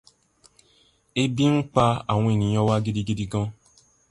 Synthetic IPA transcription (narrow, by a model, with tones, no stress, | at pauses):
e˦bi˦ŋ̩˦k͡pa˧a˨w̃ɔ̃˧e˨nĩ˨j̃ɔ̃˧wa˦ɡi˧di˧ɡi˦di˧ɡɔ̃˦